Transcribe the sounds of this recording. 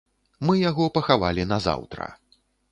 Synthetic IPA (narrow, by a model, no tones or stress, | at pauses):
mɨjaɣɔpɐxavalʲinɐza̰wt̪ɾɐ̰